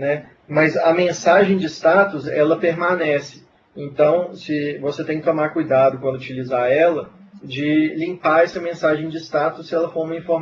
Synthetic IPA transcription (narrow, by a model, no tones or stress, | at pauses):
nɛ | mɐzɐmẽsaʒẽj̃d͡ʒɪst̪at̪ʊzɛlɐpeɾmanɛsɪ̥ | ẽnt̪ɐ̃w̃sɪvoset̪ẽkɪt̪õmaɾkujd̪ad̪ʊkwɐ̃d̪ʊut͡ʃilizaɾɛlɐ | d͡ʒɪlĩmpaɾɛsɐmẽsaʒẽj̃d͡ʒɪst̪at̪ʊsːɪɛlɐfoɾũmɐĩfoɾm